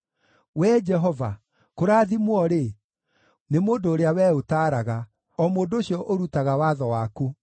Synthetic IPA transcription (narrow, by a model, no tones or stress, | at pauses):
wɛd͡ʒɛɦɔva | koɾaːðimwɔɾe | nemoːndoːɾeawɛːotaːɾaɣa | ɔmoːndoɕjɔʔoɾutaɣawaðɔwaːku